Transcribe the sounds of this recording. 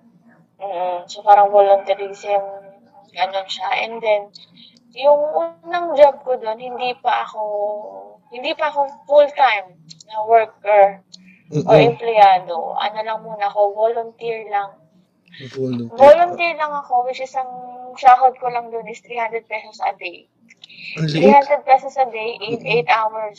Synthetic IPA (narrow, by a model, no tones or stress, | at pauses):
m̩ːʔ̩sopaːɾɐŋvolʊnt̪ɐɾiːsɪm | ɡɐnonʃaʔɛ̰nd̪ɛn | jʊŋʔunɐŋd͡ʒab̚kod̪o̞nhɪnd̪ipɐʔɐko̞ | hɪnd̪iːpɐɐko̞fult̪ajm | nɐwɛɹk̚ɛɹ | ʔoɹɛmplɛjaːd̪o̰ʔɐ̰nolɐŋmuːnɐɐko̞volʊnt̪iɹlɐŋ | boːlʊnt̪iɹlɐŋɐko̞wɪt͡ʃɪsɐŋʃaːɦod̪̚kolɐŋd̪onɪst̪ɾiːhand̪ɾɛd̪̚pɛsosʔɐd̪ej | t̪ɾiːhand̪ɾɛd̪̚pɛsosɐd̪ejʔɪnʔejt̪ʔawɐɹs